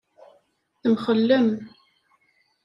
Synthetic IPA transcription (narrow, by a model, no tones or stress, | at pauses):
θəmχəlːəm